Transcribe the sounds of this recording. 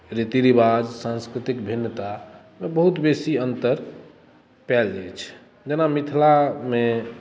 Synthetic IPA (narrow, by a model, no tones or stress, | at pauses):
ɾit̪iɾibad͡ʒsãnskɾit̪ikbʱinːət̪a | mebəɦut̪besiənt̪əɾ | pɛld͡ʒɛt͡ʃʰ | d͡ʒenamit̪ʰlame